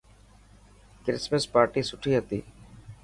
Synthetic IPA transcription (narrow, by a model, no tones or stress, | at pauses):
kɾɪsməspaːɾʈiːsʊʈʰiːɦət̪ḭː